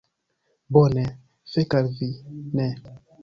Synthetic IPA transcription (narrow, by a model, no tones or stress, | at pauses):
bone | fekaɾvinɛ